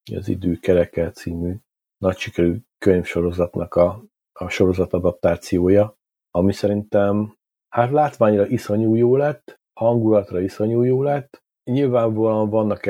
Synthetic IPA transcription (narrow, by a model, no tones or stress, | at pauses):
jɒ̰zḭd̪øːkɛɾɛkɛlt̪siːmy | nɒcʃikɛɾyːkøɲfʃo̞ɾo̞zɒt̪nʔɒkɒ | ɒʃo̞ɾo̞zɒt̪ɒd̪ɒp̚t̪aːt̪sijoːjɒ | ɒmisɛɾint̪ɛm | haːt̪laːt̪ʋaːɲrɒʔiso̞ɲuːjoːlɛt̪ː | hɒŋɡulɒt̪rɒiso̞ɲuːjoːlɛt̪ː | ɲilvaːɱvɒlɒɱvɒnːɒk